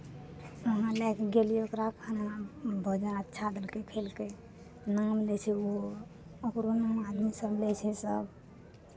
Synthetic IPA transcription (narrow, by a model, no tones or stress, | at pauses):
əɦãlɛkeɡelijokɾapkʰanabʱəd͡ʒənət̪ːʃʰad̪əlkekʰelke | namlɛt͡ʃʰɛo | əkɾonamad̪misəblɛt͡ʃʰɛsəb